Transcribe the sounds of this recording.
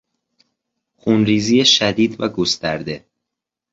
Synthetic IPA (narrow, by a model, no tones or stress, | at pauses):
xunɾiːzijeʃæd̪iːd̪væɡost̪æɾd̪e̞